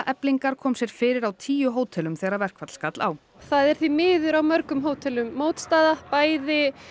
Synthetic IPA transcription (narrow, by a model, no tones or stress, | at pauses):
ʔɛpliŋkaɾ̥kʰɔːmsjɛɾ̥fɪːɾɪɾawt̪ʰiːjʏɦoːwt̪ʰɛlʏmθɛːɣɾaɾvɛr̥kvat̪l̥skat̪la̰w | θaðɛɾ̥θvimɪːðʏɾawmœɾkʏmɦoːwt̪ʰɛlʏmːoːwt̪st̪aːðapaːjðɪ